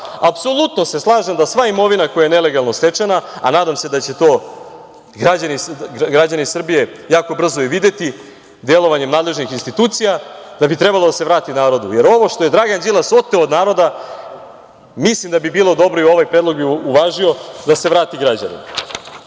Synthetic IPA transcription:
apso̞lˠut̪no̞se̞slˠaːʒemd̪asʋaimo̞ʋinako̞jajene̞le̞ɡalˠno̞st̪e̞t͡ʃenaa̰naːd̪amse̞d̪at͡ɕe̞t̪o̞ː | ɡɾad͡ʑanisɡɾad͡ʑanisr̩bije̞jaːko̞br̩zoiʋid̪et̪i | d̪e̞lˠo̞ʋaɲe̞mnaːd̪le̞ʒnixinst̪it̪uːt̪sijad̪̥abit̪ɾe̞balo̞d̪aseɾaːt̪inaːɾo̞d̪uje̞ɾo̞ʋo̞ʂt̪o̞je̞d̪ɾaɡand͡ʑilˠaso̞t̪ːeoːd̪naːɾo̞d̪a | mislimd̪abibiːlˠo̞d̪o̞bɾo̞io̞ʋajpɾed̪lˠo̞ɡbiuʋaːʒio̞d̪ase̞ʋɾaːt̪iɡɾad͡ʑa̰nḭma

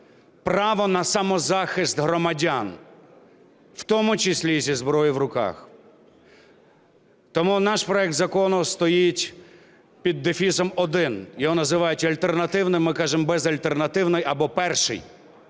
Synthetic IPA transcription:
prɑʋɔnɐsɐmɔzɑxɪst̪ɦɾɔmɐdʲan | w̥t̪ɔmʊt͡ʃɪsʲlʲisʲizbɾɔjiwɾʊkɑ̰x | t̪ɔmunɑʃpɾɔɛk̚t̪zɐkɔnʊst̪ɔjitʲ | pʲid̪ːɪfʲisɔmɔd̪ɪnjɔɦɔnɐzɪʋɑjʊtʲɐlʲt̪ernɐt̪ɪwnɪmːɪkɑʒembɛzɐlʲt̪e̞rnɐt̪ɪwnɔjɐbɔpɛrʃɪ̰j

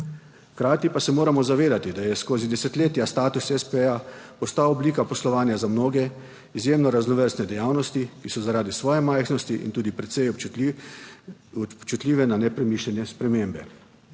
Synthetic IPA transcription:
xkɾaːt̪ipasɛmoːɾamɔzaʋeːd̪at̪id̪ajɛskoːzid̪ɛsɛt̪leːt̪jast̪aːt̪usɛspeapɔst̪aɔbliːkapɔslɔʋaːnjazamnoːɡɛ | izjeːmnɔɾaznɔʋəɾsnɛd̪ɛjaːwnɔst̪ikisɔzaɾaːd̪isʋɔːjɛmajxnɔst̪iʔḭnt̪uːd̪ipɾɛt̪sɛj | ɔpt͡ʃut̪lʲiːʋɛnanɛpɾɛmiːʃlʲɛnjɛspɾɛmeːmbɛ

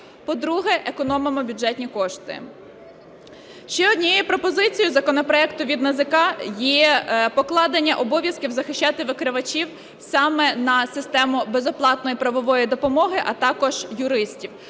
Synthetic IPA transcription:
pɔd̪ɾuɦɛʔekɔnɔmɔmɔbʲʊd͡ʒɛt̪ʲnʲikɔʃt̪ɪ̰ | ʃt͡ʃɛɔd̪ʲnʲijjɛpɾɔpɔzɪt͡sʲijʊzɐkɔnɔpɾɔɛkt̪ʊʋʲid̪nɐzɪkɑjɛpɔklˠɑd̪enʲːɐʔɔbɔʋʲjɐskʲiwzɐxɪʃʲt͡ʃːɑt̪ɪʋɪkɾɪʋɐt͡ʃʲiw | sɑmɛnɐsɪst̪ɛmʊbezɔplˠɑt̪nɔjipɾɐʋɔʋɔjid̪ɔpɔmɔɦɪʔɐt̪ɑkɔʒjʊɾɪsʲtʲiw

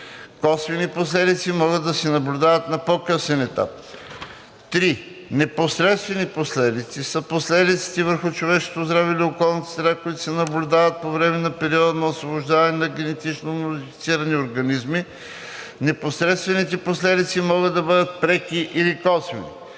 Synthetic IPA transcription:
kɔsviniposlɛd̪it̪simɔɣəd̪ːɐsɛnɐblʲʊd̪avət̪nɐpokɤsɛnɛt̪a̰p̚ | t̪ɾi | nɛposɾɛt̪st̪vɛniposlɛd̪it̪sisəposlɛd̪it̪si̥t̪ɛvəɾxʊt͡ʃovɛʃko̥t̪ozd̪ɾaviliokɔlˠnɐt̪ə̥sɾɾakʊit̪ʊ̥sɛnɐblʲud̪avət̪̚povɾɛmɛnɐpɛɾiɔd̪ɐnɐosvoboʒd̪avɐnɛnɐɡʲɛnɛt̪it͡ʃnomod̪ifit̪siɾɐnioɾɡɐnizmi | nɛposɾɛt̪st̪vɛnit̪ɛposlɛd̪it̪simɔɡəd̪ɐbɤd̪ət̪̚pɾɛkiʔilikɔsvḭnḭ

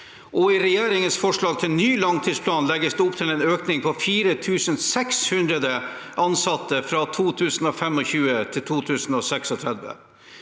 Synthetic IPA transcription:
ʔɔɪɾɛjeːɾɪŋənsfɔʂɭɑːɡ̚t̪ʰɪlnyːlɑŋt̪ʰiːspʰlɑːnlɛɡəsd̪ɛʊpt̪ʰɪlɛːnøːknɪŋpʰɔfiːɾət̪ʰʉːsənsɛkshʉnd̪ɾəd̪ə | ʔɑnsɑt̪ːəfɾɑt̪ʰuːt̪ʰʉːsənoːfɛmɔçʉːət̪ʰɪlt̪ʰuːt̪ʰʉːsənoːsɛksɔt̪ʰɾæd̪ʋə̰

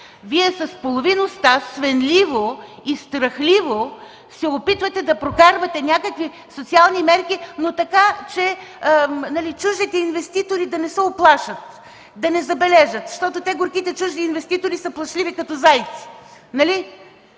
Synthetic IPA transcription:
viɛsɐspolˠovinost̪asvɛnlivoist̪ɾɐxlivo | sɛopit̪vɐt̪ɛd̪ɐpɾokaɾvɐt̪ɛnʲakəkvi | sot̪sialˠnimɛɾkinot̪ɐkat͡ʃɛ | nɐlit͡ʃuʒd̪it̪ɛinvɛst̪it̪oɾid̪ɐnɛsɛoplˠaʃət̪ | d̪ɐnɛzɐbɛlɛʒət̪ʃt̪ɔt̪ot̪ɛɡoɾkit̪ɛt͡ʃuʒniːnvɛst̪it̪oɾisəplˠɐʃlʲivikɐt̪ɔzajt̪si̥nɐli

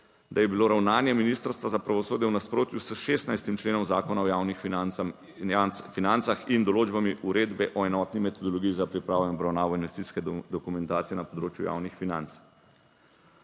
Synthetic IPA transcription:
d̪ajɛbiloːɾawnaːnjɛminiːst̪əɾst̪ʋazapɾaʋɔsoːd̪jɛwnaspɾoːt̪jusəʃeːst̪najst̪imt͡ʃleːnɔmzaːkɔnaɔjaːwnix | finant̪saxind̪ɔloːd͡ʒbamiʔuɾeːd̪bɛʔɔɛnɔt̪nimɛt̪ɔd̪ɔlɔɡijizapɾipɾaːʋnɛɔbɾawnaːʋɔinʋɛst̪iskɛd̪ɔkumɛnt̪aːt̪sijɛnapɔd̪ɾoːt͡ʃjuja̰ːwnixfinant̪s

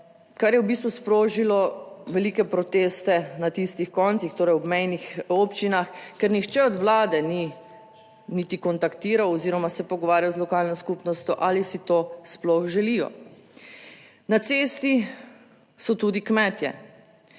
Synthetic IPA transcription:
kaɾjɛwbist̪ʋuspɾoːʒilɔʋɛlikɛpɾɔt̪eːst̪ɛnat̪ist̪ixkɔːnsixt̪oːɾɛɐjɔbmɛjnixoːpt͡ʃinaxkɛɾnixt͡ʃɛɔd̪ʋlaːd̪ɛni | nit̪ikɔnt̪akt̪iːɾawɔziːɾɔmasɛpɔɡɔʋaːɾjawzlɔkaːlnɔskupnɔst̪jɔʔalisit̪oːsplɔxʒɛlijɔ̰ | nat̪seːst̪i | sɔt̪uːd̪ikmɛːt̪jɛ̰

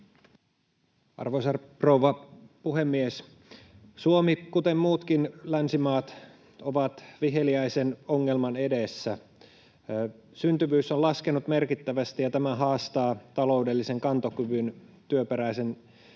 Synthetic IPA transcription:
ɑ̰rʋosɑrprowʋɑpuɦemːies | suomikut̪emmuːt̪kinlænsimɑːt̪ | oʋɑt̪ʋiɦe̞liæjsenoŋːe̞lmɑne̞desːæ | synt̪yʋyːsolɑske̞nut̪me̞rkit̪ːæʋæst̪ijɑt̪æmæɦɑːst̪ɑːt̪ɑlo̞wdelːise̞ŋkɑnt̪okyʋynt̪yøpeɾæise̞n

